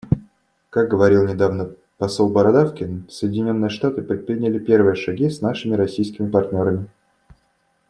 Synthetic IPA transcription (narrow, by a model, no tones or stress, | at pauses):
kaɡ̚ɡəvɐɾʲilˠnʲɪd̪avnə | pɐso̞lˠbəɾɐd̪afkʲɪnsəjɪdʲɪnʲo̞nːɨjəʂt̪at̪ɨpɾʲɪt̪̚pɾʲɪnʲɪlʲɪpʲe̞rvɨjəʂɐɡʲisnaʂɨmʲɪɾɐsʲijskʲɪmʲɪpɐrt̪ʲnʲo̞ɾəmʲɪ